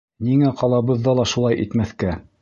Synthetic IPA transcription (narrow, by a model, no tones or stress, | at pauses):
niŋæqɑlˠɑβɤ̆ðːɑlˠɑʃulˠɑjʔḭt̪mæθkæ